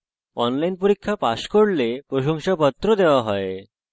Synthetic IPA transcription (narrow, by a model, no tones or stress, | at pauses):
ɔnlainpuɾikʰːjapaskəɽlepɾoɕɔŋɕapət̪ːɾɔd̪eʋaɦɔe